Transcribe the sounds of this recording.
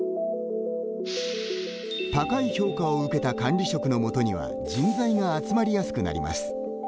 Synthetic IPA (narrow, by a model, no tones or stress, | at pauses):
t̪akaiço̞ːkaoɯ̟ke̞t̪akãnɾʲiɕo̞kɯ̟no̞mo̞t̪o̞ɲ̟iβ̞a̰ | d͡ʑĩnd͡zaiɡaːt͡sɨmaɾʲijasɨ̥kɯ̟na̰ɾʲḭmʔa̰sɨ̥